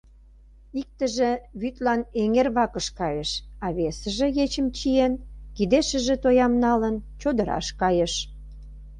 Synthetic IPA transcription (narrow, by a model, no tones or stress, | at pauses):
ik̚t̪ə̆ʒĕβyt̪lɑneŋerβɑkəʃkɑjəʃɑβesə̆ʒĕjet͡ɕəmt͡ɕienkid̪eʃə̆ʒĕt̪ojɑmnɑlənt͡ɕod̪ə̆ɾɑ̰ʃkɑjəʃ